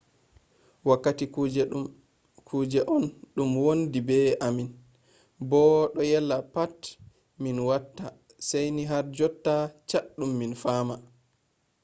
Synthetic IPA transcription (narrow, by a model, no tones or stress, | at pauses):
wakːatid͡ʒ | kʰud͡ʒɛʔɔnɗumwondibɛamin | bɔɗɔjɛlːapat | minwatːa | sajniɦaɾd͡ʒɔtːat͡ʃaɗɗːumːinfaːma